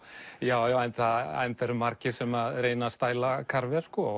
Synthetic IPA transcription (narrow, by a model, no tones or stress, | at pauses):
jaːwjawajnt̪aa̰jnt̪ɛɾʏmaɾcɪɾ̥sɛmaðɾeːjnast̪aːjlakʰaɾvɛɾ̥skɔ